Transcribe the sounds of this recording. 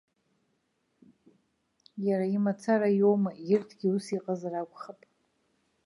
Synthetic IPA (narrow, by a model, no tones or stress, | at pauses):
jaɾaimat͡sʰaɾajomajɪrtʰɡʲiusiqʼazarakʷʼχapʼ